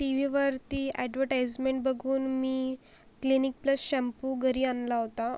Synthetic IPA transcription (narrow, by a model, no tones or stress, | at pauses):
ʈiʋ̤iʋəɾt̪iːɛɖʋəɾʈajd͡zmẽɳʈ̚bəɡʱuːnmiː | klinik̚pləsɕɛmpuɡʱəɾiːanlaɦot̪a